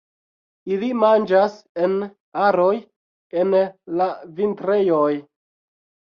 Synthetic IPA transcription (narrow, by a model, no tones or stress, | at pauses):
ilimand͡ʒase̞n | aɾo̞j | e̞nlavintɾe̞joj